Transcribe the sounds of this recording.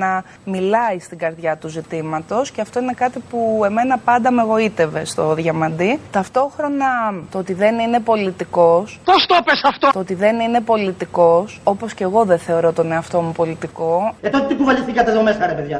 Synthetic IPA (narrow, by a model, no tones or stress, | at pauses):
ɐ | milɐist̪iŋɡɐɾðʝɐt̪uzit̪imɐt̪o̞sceɐft̪o̞ine̞kɐt̪ipue̞me̞nɐpɐnd̪ɐme̞ɣo̞it̪e̞ve̞st̪o̞ðʝɐmɐnd̪it̪ɐft̪o̞xɾo̞nɐt̪oot̪iðe̞nine̞po̞lit̪iko̞spost̪opesɐft̪ot̪oot̪iðe̞nine̞po̞lit̪iko̞so̞po̞sce̞ɣo̞ðe̞θe̞o̞ɾo̞t̪one̞ɐft̪o̞mupo̞lit̪iko̞et̪ot̪et̪iɡuvɐʎistikɐt̪eðomesɐɾepeðʝɐ